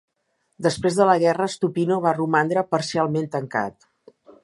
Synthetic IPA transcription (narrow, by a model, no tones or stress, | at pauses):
d̪əspɾezðələɣ̞ɛrəst̪upinoβ̞arumand̪ɾəpəɾsialˠment̪əŋka̰t̪